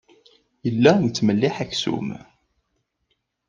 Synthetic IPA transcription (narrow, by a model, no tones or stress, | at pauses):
jəlːænt͡s̪ːməlːɪħæksṵm